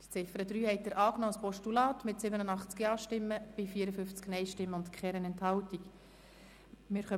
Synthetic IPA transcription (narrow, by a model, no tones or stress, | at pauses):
d̥i̥t͡sɪfəɾədɾyːhɛɪt̚dəɾʔɑːknɔːspɔʃtulɑːtmɪtsɪbənənɑχt͡skiɑːʃtɪmːəb̥ɪfiːəɾəfʏft͡sknɛɪʃtɪmːəʊntkχɛːɾənɛnthɑwtik | mɪːɾχœ